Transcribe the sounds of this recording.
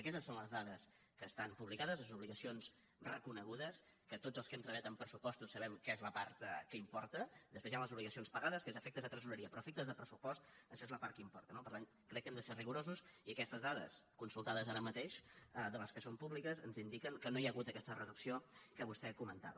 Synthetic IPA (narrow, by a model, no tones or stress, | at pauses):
əkɛst̪əsːonləzðaðəs | kəːst̪ampuβlikaðəzləzuβliɣəsions | rə̰kunəɣuðəs | kət̪od͡zzəlˠskɛmt̪ɾəβjat̪əmpɾəsupɔst̪usːəβɛmkezləpaɾt̪kəimpɔɾt̪əd̪əspezjanləzuβliɣəsionspəɣaðəskezəfɛk̚t̪əzðət̪ɾəzunəɾiəpɾɔəfɛk̚t̪əzðəpɾəsupɔst̪əʃɔezləpaɾt̪kəimpɔɾt̪ənopəɾt̪an | kɾɛkːɛmd̪əseriɣuɾozusiəkɛst̪əzðaðə̰skunsulˠt̪aðəzaɾəmət̪eʃəd̪ələskəsompuβlikəzə̰nzind̪ikəŋkənojaɣut̪əkɛst̪ərəðuksiokəβust̪ɛkumənt̪a̰βə